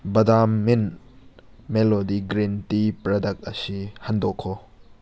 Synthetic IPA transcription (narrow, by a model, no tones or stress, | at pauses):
bɐdamːin | melodiɡɾintipɾɔdɐk̚t̚ɐsihɐndɔkʰːɔ